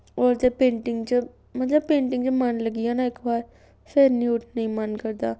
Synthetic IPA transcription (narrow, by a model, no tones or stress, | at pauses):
ɔːɾd͡ʒ̪epẽːɳʈɪ̃ŋɡt͡ʃə | mɐt̪ləbpẽːɳʈɪ̃ŋɡt͡ʃəmanlɐɡijanaɪkbaːɾ | feɾniʊʈʰnɐɦĩmankɐɾd̪aː